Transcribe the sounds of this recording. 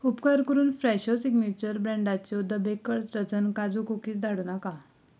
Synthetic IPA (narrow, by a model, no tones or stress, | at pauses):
upkaɾkəɾuːnfɾɛɕɔsiɡmet͡ɕəɾbɾɛ̃ɳɖat͡ɕjɔd̪əbekəɭt͡sɾəd͡zənkad͡zukokiːt͡sd̪ʱaɽuːnaka